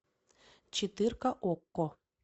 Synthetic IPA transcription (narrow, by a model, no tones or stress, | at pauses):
t͡ɕit̪ɨrkaʔokːo